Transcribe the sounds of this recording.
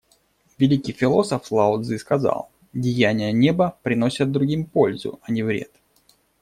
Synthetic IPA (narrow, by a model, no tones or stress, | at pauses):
vʲɪlʲikʲɪjfʲɪlˠo̞səflˠaʊd̪zɨskɐza̰lˠ | dʲɪjænʲɪjənʲebəpɾʲɪno̞sʲɪt̪̚d̪ɾʊɡʲimpo̞lʲzʊ̰ɐnʲivɾʲe̞̰t̪